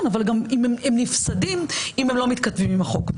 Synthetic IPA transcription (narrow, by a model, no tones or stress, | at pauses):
navalɡamimememnifsadimimemlo̞mit̪kat̪vimimaχo̞k